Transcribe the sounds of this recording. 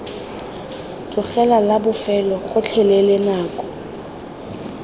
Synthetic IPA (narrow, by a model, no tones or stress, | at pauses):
tʼʊχɛlalabʊfɛlɔχʊt͡ɬʰɛlelɪnaːkʼɔ̥